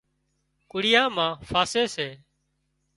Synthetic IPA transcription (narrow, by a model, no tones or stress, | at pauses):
kʊɽɪjãːmãːfaːseːseː